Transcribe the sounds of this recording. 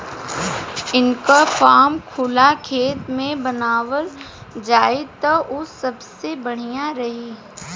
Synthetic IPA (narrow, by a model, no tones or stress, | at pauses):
ɪnkafaːmkʰʊlakʰeːt̪mẽbɐnaːʋəl | d͡ʒaːit̪ɐʔosɐbsebɐɽ̤ijaɾɐɦiː